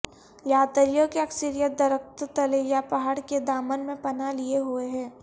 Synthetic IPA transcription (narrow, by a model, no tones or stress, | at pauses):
jaːt̪əɾijõkeɐksɪɾijət̪̚d̪ɐɾək̚t̪t̪ɐlejapɐɦaːɽked̪aːmənmẽpɐnalieɦueɦɛ̃ː